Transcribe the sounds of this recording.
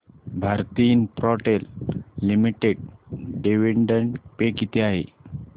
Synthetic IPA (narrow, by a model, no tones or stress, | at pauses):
bʱaɾt̪inpɾɔʈelːimiʈeɖ̚ɖeʋeɳɖəɳʈpekit̪eaɦḛ